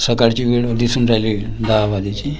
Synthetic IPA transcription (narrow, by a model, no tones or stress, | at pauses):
səkaɽt͡ɕiʋeɽd̪isund͡zajlid̪aʋad̪it͡ɕi